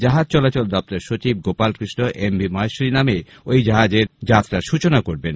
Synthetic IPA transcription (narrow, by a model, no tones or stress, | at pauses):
d͡ʑaɦad͡ʑt͡ɕɔlat͡ɕold̪ɔp̚t̪aɾʃot͡ɕib̚ɡopalkɾiʃnoʔembʱimɔeʃɾiname | ojd͡ʑaɦad͡ʑeɾd͡ʑat̪ɾaʃut͡ɕonakoɾben